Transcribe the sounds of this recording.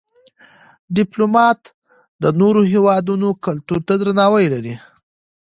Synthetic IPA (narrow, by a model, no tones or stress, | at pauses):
ɖɪplomɑt̪ | d̪ənoɾoɦewɑd̪unokalt̪uɾt̪ad̪ɾanɑwəjlaɾi